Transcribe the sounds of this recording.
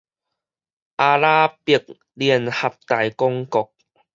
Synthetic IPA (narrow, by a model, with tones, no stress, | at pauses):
ʔaː˧laː˦˥pi˨˧˩ək̚ | li˧˩ənha˨˩p̚t̪a˨˩jkɔ˦˥ŋkɔ˨k̚